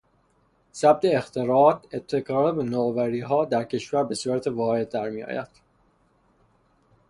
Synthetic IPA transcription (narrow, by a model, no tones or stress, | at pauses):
sæb̚d̪e̞ːxt̪ʰe̞ɾɒːt̪e̞t̪ʰːe̞kʰɒːɾbenoːvæɾiːɦɒːd̪æɾcʰe̞ʃvæɾbe̞suːɾæt̪ʰevɒːhe̞d̪̚ːæɾmiːjɒ̰ːjæ̰d̪̥